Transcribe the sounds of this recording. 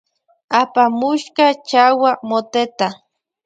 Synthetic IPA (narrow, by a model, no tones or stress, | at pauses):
apamuʃkat͡ʃawamot̪et̪a